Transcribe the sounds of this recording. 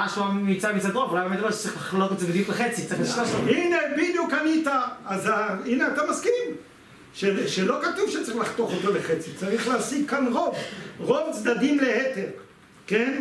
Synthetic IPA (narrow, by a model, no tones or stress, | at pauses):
aʃuamit͡samit͡sad̪ʁovulajbmed̪abeʃt͡sʁiχlaχlot̪itt͡savid̪it̪leχet͡sit͡siχliʃaʃoinebid̪jukanit̪aːzaineat̪amaskim | ʃeʃelo̞kat̪uvʃet͡saʁiχlaχt̪oχot̪oleχet͡sit͡saʁiχleasiɡ̚kːanʁo̞vʁovt͡sd̪adimlehet̪eʁ | ken